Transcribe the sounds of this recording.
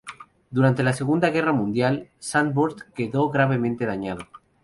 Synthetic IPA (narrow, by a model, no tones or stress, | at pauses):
d̪uɾant̪e̞lase̞ɣund̪aɣ̞e̞ramũnd̪jalsanboɾt̪ke̞ðo̞ɣɾaβe̞mẽnt̪e̞ð̞aɲaðo